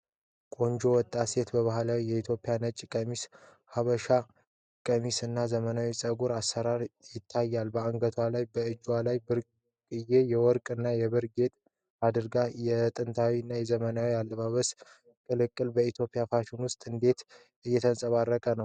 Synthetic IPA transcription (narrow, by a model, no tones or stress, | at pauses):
kʼo̞ɲd͡ʒo̞wɔt̪ʼːase̞t̪bəβahlawijɛit̪ʰjo̞pʼjanət͡ʃʼkʼəmis | haβəʃa | kʼəmisɨnːazəmənawisʼəɡuɾasːəɾaɾjɪt̪ʰːajːalbəaŋɡət̪ʰwalajbəɨd͡ʒwalajbɨɾ | kʼɨje̞jɛwɔɾkʼɨnːajɛβɨɾɡe̞t̪ʼ | ad̪ɨɾɡajɛt̪ʼɨnt̪ʰawiɨnːajɛzəmənawialːəβaβəs | kʼɨlɨkʼːɨlbəit̪ʰjo̞pʼijafaʃunwʊst̪ʼɨnd̪e̞t̪ | ʔɨjːɛt̪ʰənsʼəβarːəkʼənəw